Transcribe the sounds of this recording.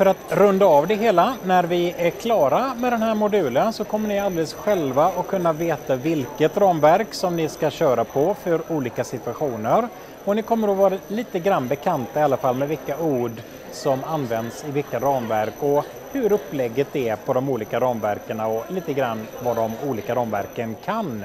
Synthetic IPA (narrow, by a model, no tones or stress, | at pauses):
fœɾat̪ɾɵnd̪aːvd̪ɛɦeːlanæɾvɪæɾkʰlɑːɾamɛd̪ɛnhæːɾmʊd̪ʉ̟ːlənsɔkʰɔmːəɳɪald̪eːləsɧɛlvaɔkʰːɵnːaveːt̪avɪlkət̪ɾɑːmvæɾksɔmnɪskaɕœːɾapʰɔfœɾuːliːkasɪt̪ɵaɧuːnəɾ | ɔnɪkʰɔmːəɾɔvɑːɾaliːt̪əɡɾanːbɛkʰant̪aɪalːafalːmɛvɪlkauːɖ | sɔmanːvɛnd̪sɪvɪlkaɾɑːmvæɾkɔ | hɵɾɵpːlɛɡːət̪ɛæpʰɔd̪ɔmuːliːkaɾɑːmvæɾkəɳaɔliːt̪əɡɾanːvad̪ɔmuːliːkaɾɑːmvæ̰ɾkənkʰan